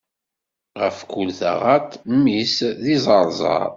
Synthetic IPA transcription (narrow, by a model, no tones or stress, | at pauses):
ʁəfkʊlθæ̰ʁat̪mːisðizˤɑɾˤzˤɑ̰ɾˤ